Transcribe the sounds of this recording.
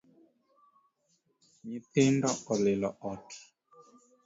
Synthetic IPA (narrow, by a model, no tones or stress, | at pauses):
ɲipendɔʔɔlelɔɔti̥